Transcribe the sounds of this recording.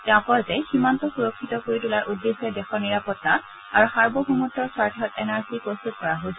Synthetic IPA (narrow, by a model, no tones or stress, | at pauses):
tɛʊ̃kɔɹzɛximantɔxuɹokʰːitɔkoɹitulaɹʔudːesɛdɛxɔɹniɹapɔtːa | aɹuxaɹbɔɦumutːɔsaɹtʰiɦɔtɛnaɹsipɹostut̚kɔɹaɦosɔ